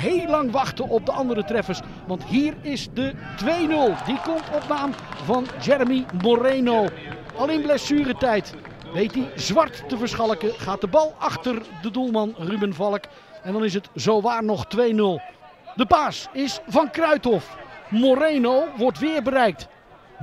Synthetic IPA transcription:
ɦejlɑŋʋɑχtəʔɔp̚dəʔɑndəɾətrɛfəɹs | ʋɑntɦiːɹɪsdətʋejnɵlˠdikɔmtʰɔp̚naːmvɑnd͡ʒɛɹəmimoɾejnow | ɑlˠɪnblɛsyːrətɛjt | ʋejt̚dizʋɑrtːəvəɹsχɑlˠəkəχaːt̚dəbɑlˠɑχtərdədulˠmɑnrybənvɑlˠək | ɛndɑnɪs̬ətzowʋaːɹnɔχtʋejnɵlˠ | dəbaːsɪsvɑnkrœɥtɔfmoɾejnowʋɔɹtʋɪːɹbəɾɛjk̚t

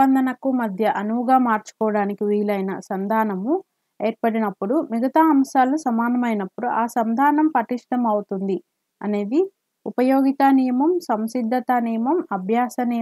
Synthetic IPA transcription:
ɐnd̪ɐnɐkumɐd̪ʱjɐʔɐnuʋuɡaːmaːɾt͡ʃu̥kɔːʋɐɽaːnikiʋiːlɐjnɐsɐnd̪ʱaːnɐmu | eːɾpɐɽinɐpːuɽumiɡɐt̪aːɐmʃaːlusɐmaːnɐmɐjnɐpːuɽuʔaːsɐnd̪ʱaːnɐmpɐʈiʂʈɐmɐwut̪und̪i | ɐ̰ne̞ːd̪i | upɐjoːɡit̪aːnijɐmɐmsɐmsid̪ʱːɐt̪aniːjɐmɐmɐbʱjaːsɐnij

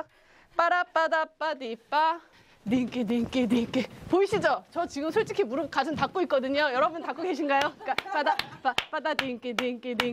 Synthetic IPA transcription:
p͈aɾap͈adap͈adip͈a | nek͈enek͈enek͈epoiɕʰid͡ʑot͡ɕʌt͡ɕiɡɯmsʰoɭt͡ɕ͈ikʰimuɾɯk͈asʰɯntak̚k͈oit̚k͈ʌdɯɲojʌɾʌbuntak͈oɡe̞ɕʰinɡajok͈ap͈adapap͈adadek͈enenk͈ene

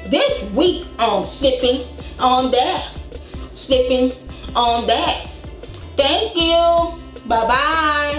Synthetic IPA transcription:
ðɪswikə̃nsɪpɪ̃ŋə̃nðɨt̚ | slɪpɪ̃ŋə̃nðɨt̚θæ̃ŋkju | baɪba

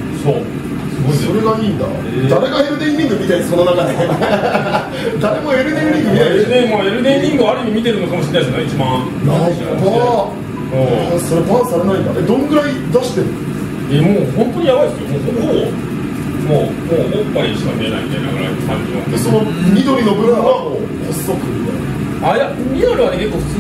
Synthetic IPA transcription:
soː | sso̞ɾe̞ɡaiːnd̪a̰ | d̪aɾe̞ɡae̞ɾɯ̟nẽ̞ɲʲːĩŋɡɯ̟mʲit̪ainaso̞no̞nakaɲe | d̪aɾe̞mo̞e̞ɾɯ̟nẽɲʲːĩŋɡɯmʲit̪ẽmoeɾɯnẽɲʲːĩŋɡɯaɾɯ̟mʲimʲit̪e̞ɾɯ̟nokamoɕinaisɨnaait͡ɕibã | nabã | so̞ɾepãsaɾenaĩnd̪a̰ed̪o̞noɡɯ̟ɾaid̪aɕi̥t̪eɾɯ̟̃ | emoːhõ̞nt̪o̞ɲ̟ijaβaisɨjomõt̪omoː | moː | õopːaɾʲit͡ɕibã̰mʲːiena̰imʲit̪aina̰ɡɯɾa̰ipã̰ɲʲːĩa̰esonomʲid̪o̞ɾʲinobɯɾaao | osːokɯ̰ | aja | mʲiaɾɯanekekːoɸɯ̥t͡sː

